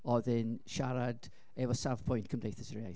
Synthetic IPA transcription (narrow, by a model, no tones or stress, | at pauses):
ɔðɛnʃaɾad̥ | ɛvɔsavpʰɔjntkʰəmdejθəsəɹiaj